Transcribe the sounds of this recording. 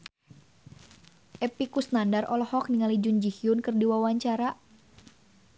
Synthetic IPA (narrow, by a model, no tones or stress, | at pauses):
ʔɛpikusnandarʔɔlɔhɔk̚niŋalid͡ʒund͡ʒihiʊnkɨrdiwawaɲt͡ʃaɾa